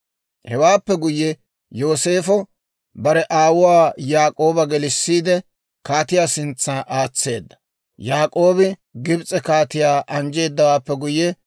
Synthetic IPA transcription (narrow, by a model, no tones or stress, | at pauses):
hɛwaːpːɛɡʊjːɛ | jo̞ːse̞ːfɔ | bɐɾɛʔaːwʊwaːjaːkʼo̞ːbɐɡɛlɪsːiːd̪ɛ | kaːt̪ɪjaːsɪnt͡sːɐnʔaːt͡sːe̞̰ːd̪ːɐ̥ | jaːkʼo̞ːbɪɡɪbt͡sʼɛkaːt̪ɪjaːʔɐnd͡ʒe̞ːd̪ːɐwaːpːɛɡʊjːɛ